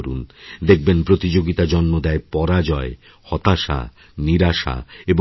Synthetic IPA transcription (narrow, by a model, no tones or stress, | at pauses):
ɾund̪ek̚ʰbenpɾot̪id͡ʑoɡit̪ad͡ʑonːod̪ɛepɔɾad͡ʑɔe | hɔt̪aʃa̰ | niɾaʃa̰ebo